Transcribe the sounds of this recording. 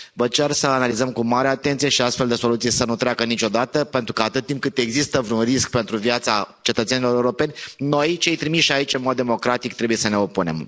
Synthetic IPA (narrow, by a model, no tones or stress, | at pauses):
vət͡ʃe̞rsəanalizəmkumaɾeat̪e̞nt̪sije̞ʃiast̪fe̞ld̪e̞so̞lut̪sijsənut̪ɾʲeakənit͡ʃo̞d̪at̪əpe̞nt̪ɾukəat̪ɨt̪̚t̪ːimp̚kɨt̪e̞ɡzist̪əvɾunrisk̚pent̪ɾuvijat̪sat͡ʃe̞t̪ət̪senilo̞ɾeuɾope̞nʲno̞jt͡ʃe̞jt̪ɾimiʃait͡ʃɨnmo̞d̪ːemo̞kɾat̪ik̚t̪ɾe̞buje̞səne̞opune̞̰m